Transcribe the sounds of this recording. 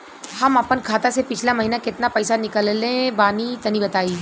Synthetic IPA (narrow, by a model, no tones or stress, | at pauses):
hɐmɐpənkʰaːt̪asepɪt͡ʃʰlamɐɦiːnakɪt̪napɛːsanɪkəllẽbaːnit̪ɐnibɐt̪aːi